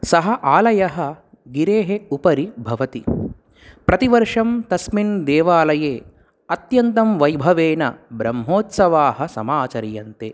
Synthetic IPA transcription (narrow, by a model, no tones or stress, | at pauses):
sɐɦɐʔaːlɐjɐɦɐ | ɡiɾeːɦeupɐɾibʱɐʋɐt̪i | pɾɐt̪iʋɐɾʂɐmt̪ɐsmiɳd̪ɛːʋaːlɐjeː | ɐt̪jɐnt̪ɐmʋɐjbʱɐʋeːnɐ̰bɾɐmɦoːt̪sɐʋaːɦɐsɐmaːt͡ʃɐɾjɐnt̪ḛː